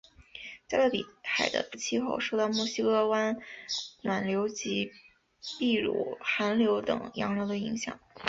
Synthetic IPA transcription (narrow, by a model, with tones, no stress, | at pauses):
t͡sa˥˧ɪla˥˩lḭ˨˩xa˨˩ɪd̪ə̰˦t͡ɕʰi˥xo˥˧ʊʂo˥˧t̪ɑ˥˧ʊmu˥˩ɕi˥kɤ˥˧wa˥nnwa˨˩nljo˧˥ʊt͡ɕi˧˥ | pi˥˩ɻṵ˨˩xa˧˥nljo˧˥ʊt̪ɤ̰˨˩ŋjɑ̰˧˥ŋɻɑ˧˥ʊd̪ə˧i˧˥ŋɕjɑ̰˨˩˦ŋ